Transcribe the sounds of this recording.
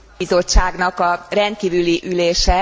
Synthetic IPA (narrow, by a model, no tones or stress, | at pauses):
izo̞t͡ʃːaːɡnɒkɒrɛnt̪̚kiːvyliʔyleːʃɛ